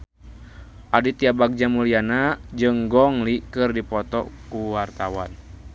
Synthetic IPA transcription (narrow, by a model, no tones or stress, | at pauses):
ʔadit̪iabaɡ̚d͡ʒamulianad͡ʒɨŋɡɔŋlikɨrdipɔt̪ɔ̰kuwart̪awan